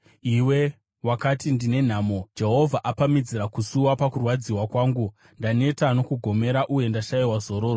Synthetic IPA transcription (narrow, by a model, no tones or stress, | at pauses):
iwe̞ | wakatindine̞n̤aːmo̞d͡ʒe̞ɦo̞vʱaʔapamid͡ziɾakusuwapakurwad͡ziwakwaːŋɡu | ndane̞tano̞kuɡʱo̞me̞ɾaʔuje̞ndaʃajiwazo̞ɾo̞ːro